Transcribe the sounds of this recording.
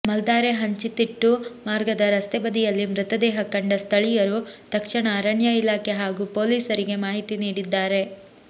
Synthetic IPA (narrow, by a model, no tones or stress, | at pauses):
mɐld̪aːɾeɦɐɲt͡ʃit̪iʈːumaːɾɡɐd̪ɐɾɐst̪ebɐd̪ijɐlːimɾut̪ɐd̪ɛːɦɐkɐɳɖɐst̪ʰɐɭijɐɾut̪ɐkʂɐɳɐːɾɐɳjɐilaːkʰeɦaːɡupoːliːsɐɾiɡe̞maːɦit̪iniːɽid̪ːaːɾe̞